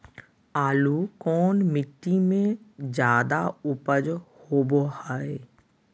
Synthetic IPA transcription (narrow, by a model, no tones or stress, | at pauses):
aːlukɔːnmɪʈːimẽd͡ʒjaːd̪aʊpəd͡ʒhoːbohaːeː